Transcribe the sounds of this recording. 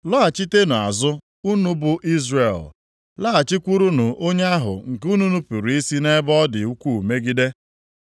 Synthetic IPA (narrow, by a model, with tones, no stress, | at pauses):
lɔ˦a˨t͡ʃi˦te˦nʊ˨a̰˨zʊ˦ | u˦nu˦bʊ˨ʔi˦zre˨l | la˦a˨t͡ʃi˦kʷu˦ɾu˦nʊ˨ʔo˦ɲe˦a˦ɦʊ̰˨ŋ̩˨ku˦nu˦nu˦pu˨ɾi˦si˦ne˦bɔ˦dɪ̰˨u˦kʷu˦u˨me˦ɡi˦de˦